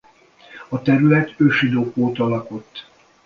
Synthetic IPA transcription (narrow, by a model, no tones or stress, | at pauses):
ɒt̪ɛɾylɛt̪øːʃid̪oːkoːt̪ɒlɒko̞t̪ː